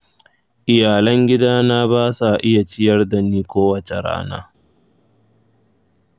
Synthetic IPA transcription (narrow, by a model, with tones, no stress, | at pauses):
ʔɪ˨jaː˨lɐ˦ŋɡʲɪ˦daː˦naː˦baː˦sa˨ʔɪ˦ja˨t͡ʃɪ˦jɐ˦rda˨niː˦kʷoː˦wɐ˨t͡ʃe˨ɽa̰ː˦na̰ː˦